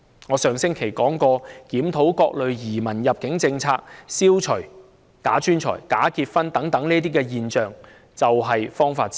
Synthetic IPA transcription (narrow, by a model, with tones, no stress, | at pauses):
ŋɔː˨˧sœː˨ŋsɪ˥ŋkʰe˨˩jkɔː˨˥ŋkɔː˧kiː˨˥mt̪ʰo˨˥wkɔː˧k̚lɵ˨ɥjiː˨˩mɐ˨˩njɐ˨p̚kɪ˨˥ŋt͡sɪ˧ŋt͡sʰaː˧k̚siː˥wt͡ʃʰɵ˨˩ | kaː˨˥t͡ʃyː˥nt͡ʃʰɔ̰ː˨˩jkaː˨˥kiː˧t̚fɐ˥nt̪ɐ˨˥ŋt̪ɐ˨˥ŋniː˥t̪̬iː˥kɛː˧jiː˨nt͡ʃœː˨ŋ | t͡sɐ˨wɦɐ˨jfɔː˥ŋfaː˧t̚t͡sː